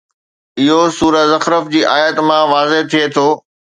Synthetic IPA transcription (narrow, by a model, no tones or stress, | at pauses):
ɪɦosuːɾəzɐxɾəfd͡ʑiːʔaːjət̪mãʋaːzet̪ʰiet̪ʰoː